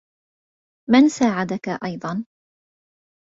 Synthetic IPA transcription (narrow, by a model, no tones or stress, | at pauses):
mansaːʕad̪akaʔɑjd̪ˤɑn